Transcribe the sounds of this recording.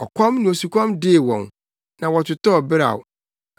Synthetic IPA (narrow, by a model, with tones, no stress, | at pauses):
ɔ˨kʰɔ̃˦mnĩ˨o˨su˨kʷʰɔ̃˦mdɪ˦˨wɔ̰̃˨n | nã˨wɔ˨t͡ɕʰʊ˨tɔ˦ɔ˨bɪ˦ɾa̰˨ʊ˨